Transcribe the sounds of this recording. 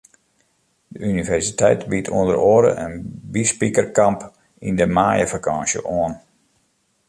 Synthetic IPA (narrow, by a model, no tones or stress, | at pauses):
dəynivɛrsitʰɛjtbitʰṵəndəɾoəɾə̰ʔənbispikərkɑmp | indəmaːjəvakʰɑ̃ːnsjə̰ʔoən